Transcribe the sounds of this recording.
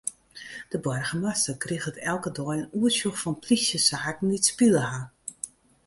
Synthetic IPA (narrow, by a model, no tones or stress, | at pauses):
d̥əbɔrɣəmasəkrixətɛlˠkədɔːjənuəsjuxfɔnplisjəsaːkn̩ditspiləha